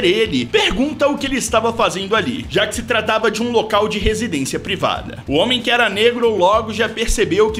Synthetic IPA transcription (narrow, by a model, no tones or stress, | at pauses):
ɾelɪpeɾɡũnt̪ɐʊkɪelɪːst̪avɐfazẽnd̪ʊalḭʒakɪ̥sɪ̥t̪ɾat̪avɐd͡ʒɪũlokawd͡ʒɪɦezid̪ẽsiɐpɾiva̰d̪ɐ̰ʊõmẽj̃kɪɛɾɐneɡɾʊowlɔɡʊʒapeɾsebewkɪ